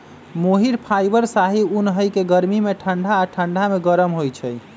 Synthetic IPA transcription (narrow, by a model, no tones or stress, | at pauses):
moɦiɾpʰajbəɾsaɦiunɦəjkeɡəɾmimeʈʰəɳɖʱaːʈʰəɳɖʱameɡəɾəmɦojt͡ʃʰɛj